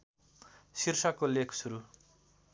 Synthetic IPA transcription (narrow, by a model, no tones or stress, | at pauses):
sirsʌkolekʰsuɾu